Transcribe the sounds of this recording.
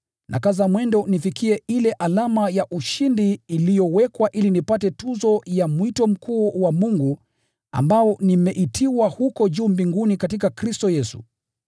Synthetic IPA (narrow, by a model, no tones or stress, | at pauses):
nʔa̰kazamwɛndɔnifikiɛilɛʔalamajaʔuʃindiːlijɔwɛkwaʔilinipatɛtuzɔjamwitɔm̩kuːwamuŋɡu | a̰mbaɔnimɛʔitʰiwahukɔʄuːmbiŋɡunikatikakɾistɔjɛsṵ